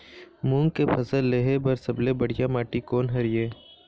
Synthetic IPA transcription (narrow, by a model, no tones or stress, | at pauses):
mũːŋɡkepʰɐsəlːeːɦebɐɾsɐblebəɽ̤ɪjamaːʈikoːnɦɐɾɪjeː